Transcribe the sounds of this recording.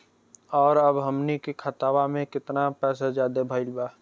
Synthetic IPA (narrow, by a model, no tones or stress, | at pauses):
ɔːɾəbɦəmnikekʰət̪aːbamẽkɪt̪napɛːs̬ad͡ʒaːd̪ebʱəɪlbaː